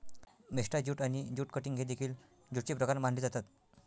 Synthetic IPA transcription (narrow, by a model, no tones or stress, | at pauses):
meʂʈad͡ʑuːʈanid͡ʑuːʈkəʈiŋɡʱed̪ekʰiːl | d͡ʑuʈ̚t͡ɕipɾəkaɾmãɳɖlid͡zat̪at̪